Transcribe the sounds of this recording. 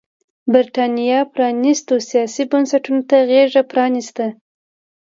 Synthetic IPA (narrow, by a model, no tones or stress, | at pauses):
bɪɾʈɑnijɑpɾɑnist̪osijɑsibansaʈunot̪aɣeʐapɾɑnist̪a